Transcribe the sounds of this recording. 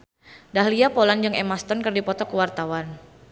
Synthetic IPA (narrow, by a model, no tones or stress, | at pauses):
dahliapoland͡ʒəŋɛmast̪ɔnkɨrdipɔt̪ɔkəwart̪awan